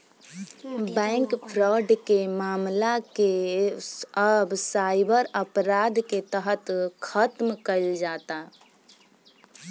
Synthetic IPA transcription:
bɛ̃ŋkpʰɾɔɖkemaːmlake | əbsaɪbəɾəpɾad̪ket̪əɦət̪kʰət̪mkəɪld͡ʒaːt̪a

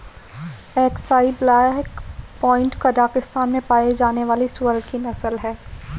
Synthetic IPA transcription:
ɛːksaːiblɛːkpɔ̃ːɪ̃ɳʈkadaːkɪst̪aːnmẽpaːed͡ʒaːneʋaːliswəɾɡkinɐsəlɦɛː

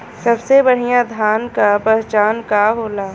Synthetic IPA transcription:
sɐbsebɐɽ̤ijãd̪ʱaːnkapɛɦt͡ʃaːnkaɦoːlaː

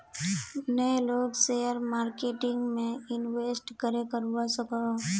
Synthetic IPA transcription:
nəloːɡsejəɾmaːɾkeːʈɪ̃ŋɡmẽɪnʋeːsʈkəɾekəɾuwasəka

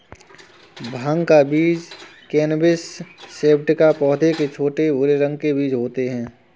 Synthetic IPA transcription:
bʱãŋkabiːd͡ʒkeːnbɪsːeːpʈkapɔːd̪eket͡ʃʰoːʈebʊɾeɾə̃ŋɡ̚kebiːd͡ʒɦoːt̪eɦɛ̃ː

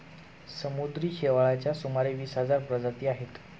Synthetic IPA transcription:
səmud̪ɾiːɕeʋaɭat͡ɕjasumaɾeʋiːsɦəd͡zaɾpɾəd͡zat̪iːaɦet̪

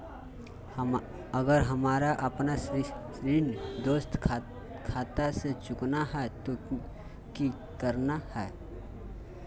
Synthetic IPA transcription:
əɡəɾɦɐmaːɾaʔɐpnaʃɾiːnd̪oːst̪ʰ | kʰaːt̪aset͡ʃʊknaɦɛt̪o | ki | kəɾnahɛː

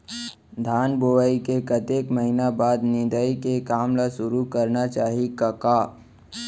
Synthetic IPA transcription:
d̪ʱaːnboːʋaikekɐt̪eːkməɦinabaːd̪nɪ̃d̪aikekaːmlaʃʊɾukɐɾnat͡ʃaːɦikɐkaː

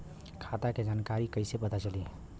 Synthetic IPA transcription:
kʰat̪aked͡ʒankaɾikəɪsepət̪at͡ʃəli

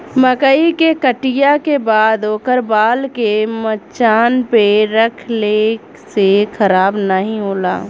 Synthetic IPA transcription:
məkəikekəʈɪjakebaːd̪oːkəɾbaːlkemət͡ʃaːnpeɾəkʰle | sexəɾaːbnəɦĩɦoːla̰ː

